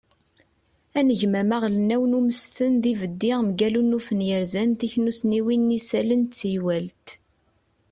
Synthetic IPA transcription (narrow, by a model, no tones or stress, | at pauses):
ænəʝmæmæʁlənːæwənuməst̪ənðivəd̪ːɪʁmɡælunufənjəɾzænt̪içnusniwinːisælənt͡sːjwælt̪